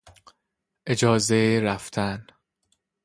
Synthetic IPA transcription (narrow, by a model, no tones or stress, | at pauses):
ʔed͡ʒɒːzeɾæft̪ʰæn